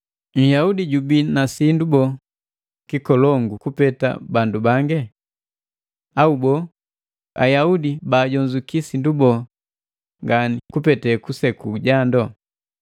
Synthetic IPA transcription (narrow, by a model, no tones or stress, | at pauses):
ɲ̩jaudiɟubinasindubɔ | kikɔlɔŋɡukupɛta̰bandubaŋɡɛ | aubɔ | a̰jaudibaːɟɔɲd͡ʒukisindubɔ | ŋɡanikupɛtɛkusɛkuɟandɔ